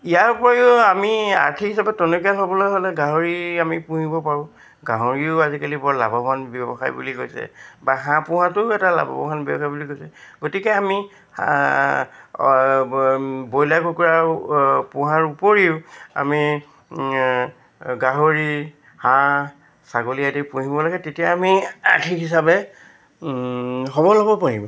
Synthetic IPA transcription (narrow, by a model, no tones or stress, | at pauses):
ijaɹupɔɹajʊamia̰ɹtʰikisabɛtɔnokijalɦobɔlojɦolɛɡaɦoɹiamipũɦibɔpaɹʊ̃ | ɡaɦoɹiʊazikalibɔɹla̰bɔbʱanbɛbɔ̰xa̰jbṵliko̰jsɛ̰baɦãpʊ̃ɦãtʊɛtala̰bɔ̰bɔ̰banbɔ̰bɔxajbulikojsɛɡotikɛami | bojlaɡokuɹa | pʊ̃ɦãɹupoɹiʊa̰mi | ɡaɦoɹi | hã | saɡolijadipũɦibɔlaɡɛtetijaːmia̰kʰiɦis̬abɛ | ɦɔbɔlɔbɔpaɹibɔ